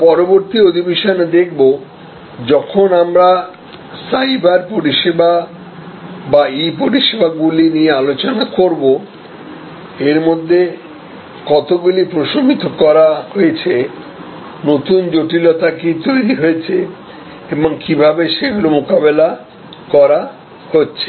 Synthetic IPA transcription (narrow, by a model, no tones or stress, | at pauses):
pɔɾoboɾt̪iod̪ʱibeʃoned̪ek̚ʰbo | d͡ʑɔkʰonamɾa | saibaɾpoɾiʃeba | baipoɾiʃebaɡuliniealot͡ɕonakoɾbo | eɾmod̪ʱːe | kɔt̪oɡulipɾoʃomit̪okɔɾaɦojet͡ɕʰe | not̪und͡ʑoʈilɔt̪akit̪ojɾiɦoet͡ɕʰe | eboŋkibʱabeʃeɡulomokabela | kɔɾa | hotːɕʰe̥